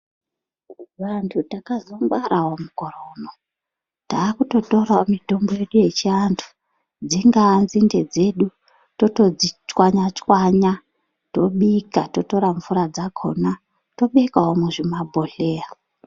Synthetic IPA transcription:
antʰutakazombwaɾaɦomuko̞rono | taːkuto̞to̞raomito̞mboje̞ɗuje̞t͡ʃiantʰu̥ | d͡ziŋɡaːnzinde̞d͡ze̞ɗu | to̞tod͡zit͡ʃwaɲat͡ʃwaɲa | to̞ɓikatoto̞ɾaɱvuɾad͡zakʰo̞̰na | to̞ɓekaɦomuʐimabʱo̞ɬeːra

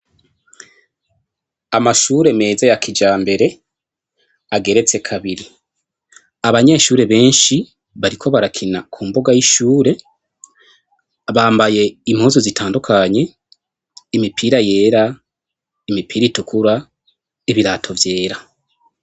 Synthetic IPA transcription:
amaʃuːɾe̞me̞ːzejakʰid͡ʒaːmbe̞ɾe̞ | aɡe̞ɾe̞t͡se̞kʰaβiɾi | aβaɲe̞ːʃuːɾe̞βe̞ːnʃi | βaɾikʰo̞βaɾakʰinakʰuːmbo̞ɡajiʃuːɾe̞ | βaːmbaje̞imhozozitʰaːndukʰaɲe̞ | imipʰiːɾaje̞ːɾa | imipʰiːɾitukuɾa | iβiɾaːtʰo̞vje̞ːɾa

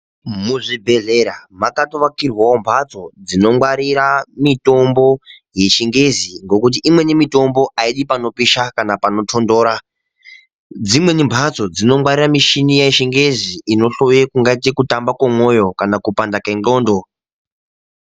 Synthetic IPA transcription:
muʐibʱe̞ɮe̞ɾamakatoʋakirwawombʰʱat͡so̞d͡zino̞mwaɾiɾamito̞mbo̞ | je̞t͡ʃiŋɡe̞ziŋɡo̞kut̬iʔimwe̞nimito̞mbo̞ʔaiɗipano̞piʃakanapano̞tʰo̞ndoːɾa | d͡zimwe̞nimbʱat͡so̞d͡zino̞mwaɾiramiʃinijaiʃiŋɡe̞ziːno̞ɬojekuŋɡait̬ikutambakwamwo̞jo̞kanakupandakenɡoːndo

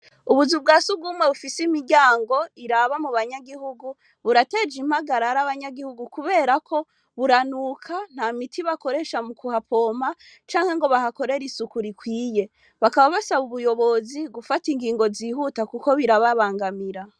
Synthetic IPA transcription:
uβuzub̚ɡaːsuɡuːmwe̞βufisimiɾɟaːŋɡo̞iɾaβamuβaɲaɡihuɡu | βuɾate̞d͡ʒim̥haɡaɾaɾaβaɲaɡihuɡukuβe̞ːɾakʰo̞ | βuɾanukʰan̥hamitʰiβako̞ɾe̞ʃamukʰuhapʰo̞ːma | t͡ʃaːŋhe̞ŋɡo̞βahako̞ɾe̞ɾisukuɾikwiːje̞ | βakaβaβasaβuβujo̞βo̞ziɡufatiŋɡiːŋɡo̞ziːhutakuko̞βiɾaβaβaːŋɡamiɾa

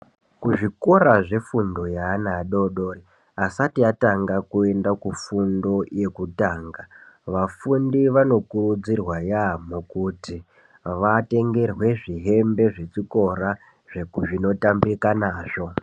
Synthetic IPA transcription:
kuʐiko̞raʐe̞fundo̞jaːnaɗo̞ɗori | asatiataŋɡakue̞ndakufundo̞je̞kutaːŋɡa | ʋafundiʋano̞kurud͡zirwajamukuti | ʋate̞ŋɡe̞rwe̞ʐiɦe̞mbe̞ʐe̞t͡ʂiko̞ɾa | ʐ̥e̞kuʐino̞tambikanaːʐo̞

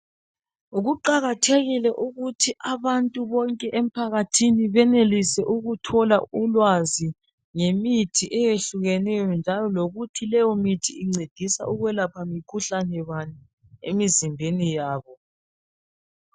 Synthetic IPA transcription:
uɣuǃaɣatʰeɣilɛʔuɣutʰiʔaβantʼuβɔŋkʼɛʔem̩pʰaɣatʰiniβɛnelisɛʔuɣutʰɔlaulwazi | ŋemitʰiʔɛjeɬuɣɛnɛjɔnd͡ʒʱalɔloɣutʰilɛjɔmitʰiiŋ͡ǀed̥ʱisa̰ʔuɣwɛlapʰamikʰuɬanɛβani | ḛmizimbʱenijaːβɔ

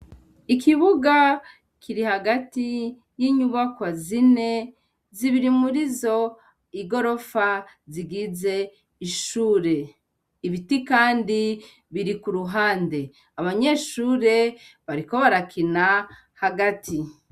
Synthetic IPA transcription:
ikiβuɡa | kʰiɾihaɡati | jiːɲuβakwazine̞ | ziβiɾimuɾizo̞ | iɡo̞ɾo̞fa | ziɡize̞ | iʃuːɾe̞ | iβitikaːndi | βiɾikuɾuɦaːnde̞ | aβaɲe̞ːʃuːɾe̞βaɾiko̞βaɾakʰina | haɡatʰi

